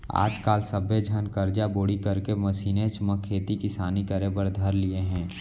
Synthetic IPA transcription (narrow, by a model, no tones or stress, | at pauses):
a̰ːd͡ʒkaːlsəbed͡ʒʱənkəɾd͡ʒaboːɽikɐɾkeməsiːnẽt͡ʃməkʰːeːt̪ikɪsaːnikəɾebəɾd̪ʱəɾlieɦɛ̃ː